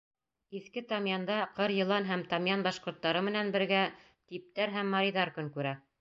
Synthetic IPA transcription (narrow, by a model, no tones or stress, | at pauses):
iθkɘt̪ɑmjɑnd̪ɑqɤɾjɤ̆lˠɑnɦæmt̪ɑmjɑnbɑʃqŏɾt̪ːɑɾɤmɘ̆nænbɘ̆ɾɡæ | t̪ip̚t̪æɾɦæmːɑɾijðɑɾkɵŋkʉɾæ